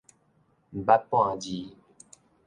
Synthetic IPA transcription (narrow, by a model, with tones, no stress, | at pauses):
m̩˨ba˦pɔ̃˦ã˨di˨˦